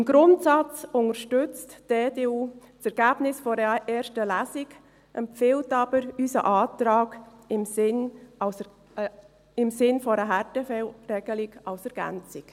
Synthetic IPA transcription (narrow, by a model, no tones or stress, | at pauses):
ɪmɡɾʊntsɑt͡sʊnəɾʃtʏt͡std̥eːdeːuːt͡sɛɾɡ̥æːb̥nɪsfɔɾəʔeːɾʃtəlæziɡ | ʔɛmfɪltɑb̥əɾysə̰ʔɑːtɾɑːɡɪmsɪns | ɪmsɪnfɔɾəɦætəfɛlrɛɡ̥əliɡɑlsɛɾɡ̥æ̰nt͡sik